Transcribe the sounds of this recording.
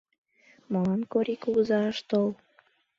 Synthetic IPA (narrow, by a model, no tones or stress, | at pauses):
molɑnkoɾʲikuzɑəʃt̪ol